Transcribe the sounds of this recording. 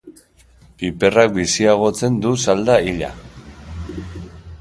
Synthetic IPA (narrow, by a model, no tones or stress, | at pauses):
pipe̞rak̚bisiaɣ̞o̞t͡se̞nd̪usald̪aiʎa̰